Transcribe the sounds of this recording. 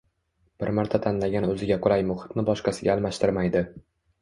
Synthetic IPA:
b̥ɪɾmaɾt̪ʰat̪ʰanlaɡʲanɵzɪɡʲaqʰʊɾajmʊχɪ̥t̪nɪbɒʃqɑsɪɡʲaːlˠmaʃt̪ʰɪɾmajd̪ɪ

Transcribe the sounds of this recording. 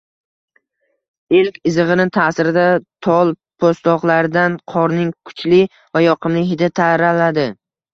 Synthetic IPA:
elkʲɪzɨʁɨnɪt̪ʰaːsɪɾɪd̪at̪ʰɒlˠ | pʰost̪ɒqlˠaɾɪd̪anqʰɒɾnɪŋkʰʊ̥t͡ʃlɪ | vajɒqʰɨmlɪɦɪd̪at̪ʰaɾalad̪ɪ

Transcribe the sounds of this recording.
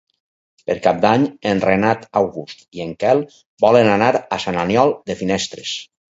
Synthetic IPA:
peɾkap̚d̪aɲenrenat̪awɣust̪ieŋkɛlˠ | bɔlenanaɾasananjɔlˠd̪efinɛst̪ɾes

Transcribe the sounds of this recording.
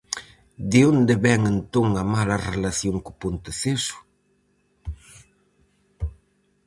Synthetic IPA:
d̪ɪond̪ɪβɛŋent̪oŋɐmalɐrelaθjoŋkʊ̥punt̪eθesʊ̥

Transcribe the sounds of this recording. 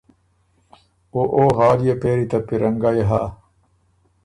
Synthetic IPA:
oʔoɦaːlijepeːɾit̪ɐpiɾɐŋɡajɦa

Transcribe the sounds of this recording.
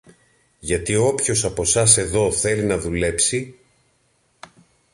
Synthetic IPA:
ʝɐt̪io̞pço̞sɐpo̞sɐs̬e̞ðo̞θe̞linɐðule̞psi

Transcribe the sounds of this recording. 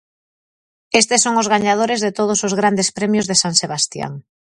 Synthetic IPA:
est̪esːoŋʊzɣaɲað̞oɾezðet̪oð̞osozɣɾand̪espɾemjozðesaŋseβ̞ast̪ja̰ŋ

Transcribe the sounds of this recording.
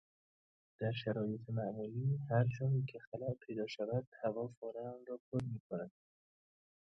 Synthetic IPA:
d̪̥æɾʃæɾɒːjet̪ʰemæʔmuːliːhæɾd͡ʒɒːnikʲʰexælæʔpʰe̞jd̪ɒːʃævæd̪̥hævɒːfoɾænɾɒːpʰoɾmiːkʰonæd̪̥

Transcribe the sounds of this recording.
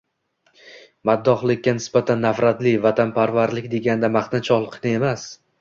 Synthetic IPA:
mad̪ːɒχlˠɪkʲːanɪsbat̪ʰanːafɾat̪lɪvat̪ʰanpʰaɾvaɾlɪkʲd̪e̞ɡʲanɪd̪amaχt̪nat͡ʃʰɒlˠqʰɨnɪe̞mas

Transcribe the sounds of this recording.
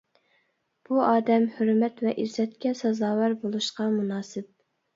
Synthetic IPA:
b̥uɑːd̪ɛmhøɾmɛt̪vɛʔizɛt̪̚kʲɛsɑzɑːwæɾbolˠuʃqɑmunɑːsɪp̚

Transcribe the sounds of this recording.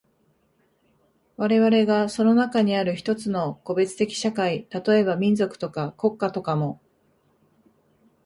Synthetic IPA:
βaɾe̞βaɾe̞ɡaso̞no̞nakaɲ̟iaɾɯ̟çi̥t̪o̞t͡sɨno̞ko̞be̞t͡sɨ̥t̪e̞kʲi̥ɕakait̪at̪o̞e̞βamʲĩnd͡zo̞kɯ̟̥t̪o̞kako̞kːat̪o̞kamo̞

